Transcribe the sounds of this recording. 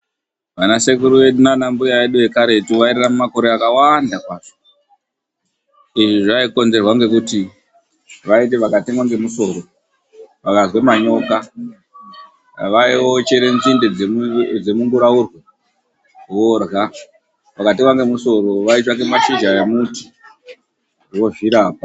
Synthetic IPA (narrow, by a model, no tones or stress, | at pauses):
ʋanase̞kuɾuʋe̞ɗunanambujaeɗue̞kaɾe̞tuʋaiɾiramumako̞ɾe̞akawandakwaːʐo̥ | iʐiʐaiko̞nze̞rwaŋɡe̞kuti | ʋait̬e̞ʋakatimwaŋɡe̞muso̞ɾo̞ | ʋakazwemaɲo̞ka | ʋaiwot͡ʃeɾent͡sinded͡zed͡zemuŋɡuɾaurwo | worɣa | ʋakatimwaŋɡe̞muso̞ɾo̞ʋaitaŋɡe̞maʃid͡ʒaemuti̥ | wo̞viɾaːp̚a